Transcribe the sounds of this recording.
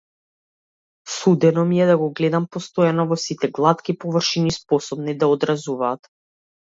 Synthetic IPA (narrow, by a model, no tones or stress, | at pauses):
sud̪ɛnɔmiɛd̪aɡɔɡlɛd̪ampɔst̪ɔjanɔvɔsit̪ɛɡlˠat̪kʲipɔvr̩ʃinispɔsɔbnid̪aɔd̪ɾazuvaːt̪